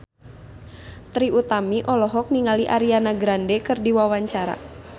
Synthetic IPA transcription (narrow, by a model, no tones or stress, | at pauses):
t̪ɾiut̪amiʔɔlɔɦɔk̚niŋaliʔaɾianaɡɾandɛkɨrdiwawaɲt͡ʃaɾa̰